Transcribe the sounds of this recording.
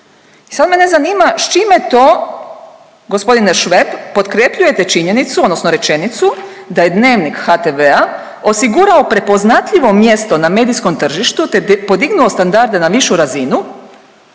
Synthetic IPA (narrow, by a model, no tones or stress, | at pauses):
isad̪me̞ne̞zaniːmaʃt͡ʃimjet̪oː | ɡo̞spo̞d̪ineʃʋe̞bːo̞t̪kɾepʎuje̞t̪e̞t͡ʃiɲe̞nit̪suod̪nosnoɾe̞t͡ʃe̞nit̪su | d̪aje̞d̪ne̞ːʋnikxat̪eʋea | o̞siɡuɾaopɾe̞po̞znat̪ʎiʋo̞mje̞st̪o̞name̞ːd̪isko̞mt̪r̩ʒiʃt̪ut̪epo̞d̪iɡnuost̪and̪aɾd̪e̞naʋiʃuɾazinu